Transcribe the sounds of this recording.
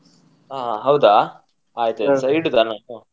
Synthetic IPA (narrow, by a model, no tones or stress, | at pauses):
aːaɦɐwd̪aː | aːjt̪usɐjɖd̪anaːu